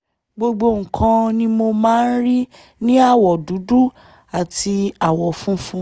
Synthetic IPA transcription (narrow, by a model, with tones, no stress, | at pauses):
ɡ͡bo˧ɡ͡bo˧ŋ̩˨kʰã˧nĩ˦mo˧mãː˦˧n̩˦ɾi˦ | nĩ˦a˦˨wɔ˨du˨˦du˦ | a˨ti˧a˨wɔ˨fũ˦fũ˦